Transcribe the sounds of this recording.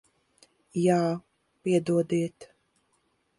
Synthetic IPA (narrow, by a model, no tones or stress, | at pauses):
jaː | piɛd̪uɔd̪iɛt̪